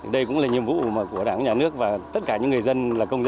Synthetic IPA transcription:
ɗə˧jkʊ̰˧˥ŋ͡mlaː˨˩ɲi˨˩əmvṵ˧˨maː˨˩ku˧˩əɗaː˧˩ŋɲaː˨˩nɨ˦˥ək̚vaː˨˩t̪ə˦˥t̚kaː˧˩ɲɨ̰˧˥ŋɨ˨˩ə˩jzə˧nlaː˨˩kə˧wŋ͡mz

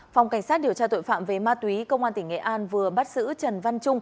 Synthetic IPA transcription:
fa˨˩wŋ͡mka˧˩jŋ̟saː˦˥t̚ɗi˨˩əwt͡ɕaː˧t̪o̰˧˨jfa̰ː˧˨mve˨˩maː˧t̪wi˨˦kə˧wŋ͡mʔaː˧nt̪ï˩ŋ̟ŋḛ˧˨ʔaː˧nvɨ˨˩əɓa˦˥t̚z̥ɨ̰˧˥t͡ɕə˨˩nva˧nt͡ɕʊ˧ŋ͡m

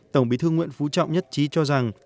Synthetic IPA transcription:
t̪ə˧˩wŋ͡mɓi˨˦t̪ʰɨ˧ŋwḭ˧˨ənfu˨˦t͡ɕɔ̰˧˨wŋ͡mɲə˦˥t̚t͡ɕi˨˦t͡ɕɔ˧za˨˩ŋ

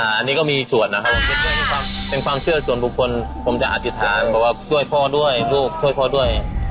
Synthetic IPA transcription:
ʔaː˨˩ʔa˧nːiː˦˥kɔː˥˩miː˧su˨˩ənːa˧kʰa˦˥p̚waː˧˩pe˧˩˧ɛ˧˩kʰwaː˧mpe˧nkʰwaː˧msɯ˥˩ɐəsu˨˩˦ənbu˨˩˦kʰo˧npʰo˩˦mt͡ɕa̰˧ʔa˨˧t̪ʰi˦˧˩t̪ʰaː˨˦npʰɛː˧˩waː˧sʰu˥˩əjpʰɔː˧˩du˥˩əjluː˥˩k̚sʰu˥˩jpʰɔː˧˩du˥˩əja˧˩

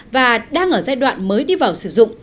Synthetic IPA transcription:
vaː˨˩ɗaː˧ŋʔəː˧˩zaː˧jɗwa̰ː˧˨nməː˨˦jɗi˧vaː˨˩wsɨ˧˩zʊ̰˧˨ŋ͡m

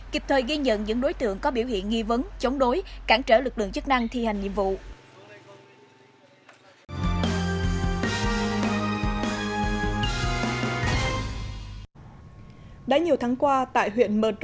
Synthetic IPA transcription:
ki˨˩p̚t̪ʰəː˨˩jɣi˧ɲə̰˧˨nɲɨ̰˧˥ŋɗo˨˦jt̪ɨ̰˧˨əŋkɔ˨˦ɓi˧˩whḭ˧˨ənŋi˧və˨˦nt͡ɕə˨˦wŋ͡mɗo˨˦jkaː˧˩ŋt͡ɕəː˧˩lɨ˨˩k̚lɨ̰˧˨əŋt͡ɕɨ˦˥k̚na˧ŋt̪ʰi˧ha˨˩jŋ̟ɲḭ˧˨mvṵ˧˨ | ɗə˨˦ɲi˨˩əwt̪ʰaː˨˦ŋkwaː˧t̪a̰ː˧˨jhwḭ˧˨ənɓəː˨˩t͡ɕ

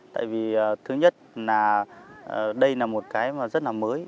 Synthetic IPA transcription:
t̪a̰ː˧˨jvi˨˩əː˨˩t̪ʰɨ˨˦ɲə˦˥t̚laː˨˩ʔə˨˩ɗə˧jlaː˨˩mo˨˩t̚kaː˨˦jmaː˨˩zə˦˥t̚laː˨˩məː˨˦j

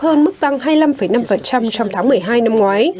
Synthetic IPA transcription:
həː˧nmɨ˦˥t̪a˧ŋɦaː˧jla˧mfə˨˩jna˧mfə˨˩nt͡ɕa˧mt͡ɕɔ˧wŋ͡mt̪ʰaː˨˦ŋmɨ˨˩əjɦaː˧jna˧mŋwaː˨˦j

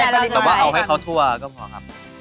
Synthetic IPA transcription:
ɛ˧˦˥waː˧ʔa˨˩wɦa˥˩jkʰa˦˥wt̪ʰu˥˩ɐkɔː˥˩mʰɔ˨˩˦kʰa˦˥p̚

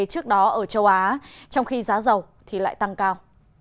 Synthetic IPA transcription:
t͡ɕɨ˦˥ək̚ɗɔ˨˦ʔəː˧˩t͡ɕə˧wʔaː˨˦t͡ɕɔ˧wŋ͡mxi˧zaː˨˦zə˨˩w | t̪ʰi˨˩la̰ː˧˨jt̪a˧ŋkaː˧w

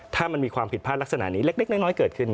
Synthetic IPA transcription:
t̪ʰaː˥˩ma˧nmiː˧kʰwaː˧mpʰi˨˩t̪̚ʰaː˥˩lk̚sa˧na̰˩˦niː˦˥le˦˥k̚le˦˥k̚na˥˩jnɔː˦˥jkɤː˨˩t̪̚kʰɯ˥˩n

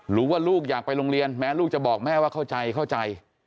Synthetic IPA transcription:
ɾuː˦˥waː˥˩luː˥˩k̚jaː˨˩k̚pa˧jɾo˧ŋɾi˧ənmɛː˦˥luː˥˩k̚t͡ɕa˨˩bɔː˨˩k̚mɛː˥˩waː˥˩kʰa˥˩wt͡ɕa˧jkʰa˥˩wt͡ɕa˧j

